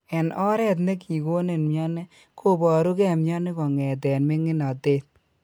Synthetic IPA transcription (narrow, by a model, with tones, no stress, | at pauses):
ɛ˨nɔ˦ɾɛ˦t̬ne˦ki˨ko˦ne˨nmja˦ne˦ | kʰo˦˨bɔ˨ɾu˦kɛ˨mja˦ne˦kɔ˨ŋɛ˨t̬ɛnme˦ŋɪ˦na˨te˦t̪̚